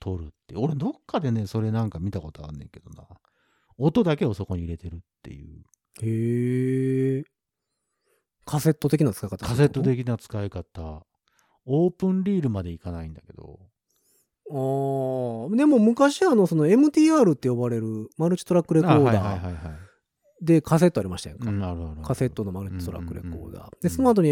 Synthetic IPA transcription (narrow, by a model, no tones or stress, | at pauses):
t̪ʰo̞ɾɯ̟̰t̪ːej̰o̞ɾed̪o̞kʰːad̪e̞ne̞so̞ɾe̞nãŋkamʲit̪ako̞t̪oa̰ɾɯ̟nːẽ̞̰ŋke̞d̪o̞na | ot̪o̞d̪ake̞o̞so̞ko̞ɲiːɾe̞t̪e̞ɾɯ̟t̪ːe̞̰jɯ̟̰ː | heː | kʰase̞t̪ːo̞t̪ekʲinat͡sɨ̥kaikat̪akase̞t̪ːo̞t̪e̞kʲinat͡sɨ̥kaikat̪a | oːpɯ̟̃nɾʲiːɾɯ̟mad̪e̞ikanaĩnd̪ake̞d̪o̰ | aː | d̪e̞moːmɯ̟kaɕiano̞so̞no̞e̞mɯ̟t̪ʲiːaːɾɯ̟t̪ːe̞jo̞baɾe̞ɾɯ̟maɾɯ̟t͡ɕi̥t̪o̞ɾakːɯ̟ɾe̞kao̞ːad̪aːiɦaɦai | d̪e̞kʰase̞t̪ːoaɾimaɕi̥t̪ajḛ̃ŋkãaɾɯ̟aɾɯ̟kase̞t̪ːo̞no̞maɾɯ̟t͡ɕi̥t̪o̞ɾa̰kːɯ̟ɾḛko̞̰ːd̪a̰ːd̪e̞sono̞at̪o̞ɲ̟i